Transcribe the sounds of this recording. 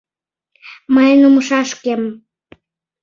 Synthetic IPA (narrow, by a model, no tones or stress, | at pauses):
məjnuməʃɑʃkem